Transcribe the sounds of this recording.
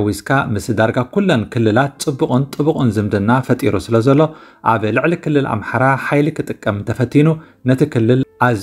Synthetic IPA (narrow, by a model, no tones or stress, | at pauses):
wiskʰamɨsd̪aɾɡakʰulːonkʰɨlːɨlat̪̚t͡sʼɨbːuχʼʊnt̪ʼɨβukʼɨnzɨmd̪ɐnːafɐt̪ʼiɾusɨlɐzɐlːo̞ʔaβɨlɨʕlikʰɨlːɨla̰mħaɾaħajlikʰɨt̪ʼɨkʼːɐmt̪ʰɐfɐt̪ʰːinu | nɐt̪ʰikʰɨlːɨlʔaz